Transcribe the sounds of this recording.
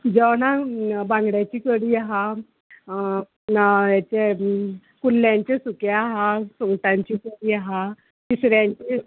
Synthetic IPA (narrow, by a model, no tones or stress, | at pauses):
d͡ʑəwnabãŋɡɽjat͡ɕiːkəɽiːaɦa | jat͡ɕe | kulːjãɲt͡ɕesukeaɦasoŋɡʈãɲt͡ɕiːkəɽiːaɦa | kisɾjãɲt͡ɕe